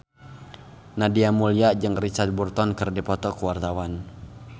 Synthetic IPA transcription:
nadiamuliad͡ʒɨŋrit͡ʃat̪̚burt̪ɔnkɨrdipɔt̪ɔkuwart̪awan

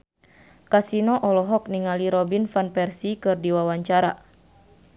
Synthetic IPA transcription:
kasinɔʔɔlɔɦɔk̚niŋaliɾɔbinfanpɛrsikɨrdiwawaɲt͡ʃaɾa

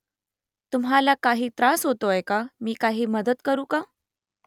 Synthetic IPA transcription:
t̪umɦalakaɦiːt̪ɾasɦot̪oajkamiːkaɦiːməd̪ət̪kəɾũːka

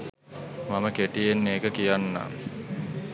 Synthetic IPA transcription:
maməkeʈijenːeːkəkijanːa̰ː

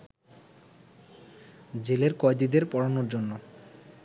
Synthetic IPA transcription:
d͡ʑeleɾkɔjd̪id̪eɾpɔɽanoɾd͡ʑonːo

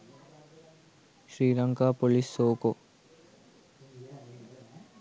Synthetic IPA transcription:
ʃɾiːɾɐŋɡaːpolisːoːko

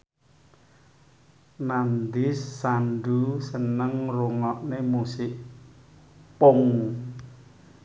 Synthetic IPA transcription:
nand̪ɪsːanɖusənəŋruŋɔʔnemusɪʔ | pʊŋ

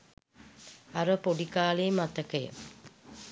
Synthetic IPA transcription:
aɾəpoɖikaːleːmat̪əkəjə̰

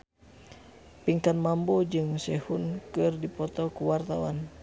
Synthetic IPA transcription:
piŋkanmambɔd͡ʒɨŋsɛhunkɨrdipɔt̪ɔkuwart̪awa̰n

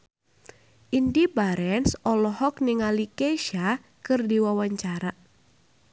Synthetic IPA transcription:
ʔindibaɾɛnsɔlɔhɔk̚nɪŋalikeʃa | kɨrdiwawaɲt͡ʃaɾa

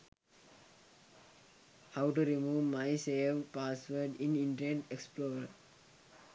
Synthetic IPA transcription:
haʊʈuɾimuːʋmaɪseːʋpaːsʋəɖĩnĩɳʈəneʈeksploːɾəɾ

